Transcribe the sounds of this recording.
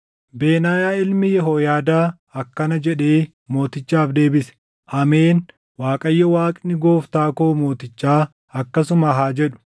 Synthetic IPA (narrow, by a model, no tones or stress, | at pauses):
beːnaːjaːɪlmɪjɛɦoːjaːd̪aː | ɐkːɐnɐd͡ʒɛᶑeː | mo̞ːt̪ɪt͡ʃːaːfd̪e̞ːbɪsɛ̥ | ʔɐme̞ːn | waːkʼɐjːɐwaːkʼnɪɡo̞ːft̪aːkoːmo̞ːt̪ɪt͡ʃːaː | ɐkːɐsʊmɐɦaːd͡ʒɛᶑʊ̥